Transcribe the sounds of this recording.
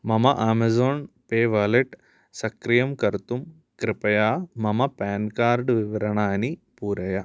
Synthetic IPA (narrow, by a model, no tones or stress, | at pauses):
mɐmɐʔaːmɐzoːn | peːʋaːleʈ | sɐkɾijɐmkɐɾt̪um | kɾɪpɐjaːmɐmɐpaːnkaːɾɖʋiʋɐɾɐɳaːnipuːɾɐjɐ